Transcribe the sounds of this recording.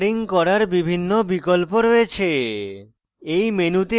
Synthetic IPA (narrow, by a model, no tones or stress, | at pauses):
ɾiŋkɔɾaɾbibʱinːobikolpoɾoet͡ɕʰe | ejmenut̪e